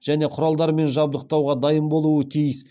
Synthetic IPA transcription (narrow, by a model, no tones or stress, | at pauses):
ʒ̥æne̞qʰʊɾɑlˠd̪ɑɾme̞nʒɑb̚d̪əq̚t̪ɑwʁɑd̪ɑjəmbo̞lˠuwət̪ʲʰijəs